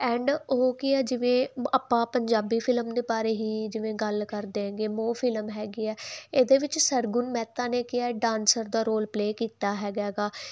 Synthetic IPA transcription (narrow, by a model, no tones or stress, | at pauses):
ɛːɳɖokɪɛːd͡ʒɪʋẽːaːpːãːpəɲd͡ʒaːbiːpʰɪləmd̪eːpaːɾeːɦiːd͡ʒɪʋẽːɡəlkəɾd̪ẽːɡeːmoːfʰɪlmɦɛːɡiːɛːeːd̪eːʋɪt͡ʃsəɾɡʊnmɛːt̪aːneːkɪjaːɛːɖãːnsəɾd̪aːɾoːlpleːkiːt̪aːɦɛːɡɛːɡaː